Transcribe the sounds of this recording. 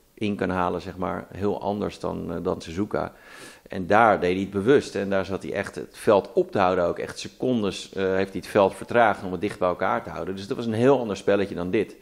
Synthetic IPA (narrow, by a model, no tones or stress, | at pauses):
ʔɪnkɑnɦaːləzɛχma̰ːɹɦɪːlˠʔɑ̰ndə̰ɹsdɑ̰ndɑnsəzuka̰ | ʔɛ̰ndaːɹdejdiəd̚bəʋɵstɛndaːɹzɑtḭʔɛ̰χtə̰tfɛlˠtɔp̚təɦʌwdənowkɛ̰χtsəkɔndəsɦejftdiətfɛlˠtfəɹtraːχənɔmədɪχd̚bɛjɛlˠkaːɹtəɦʌ̰wdəndɵsdɑtʋɑsənɦɪːlˠɑndəɹspɛləcədɑndɪt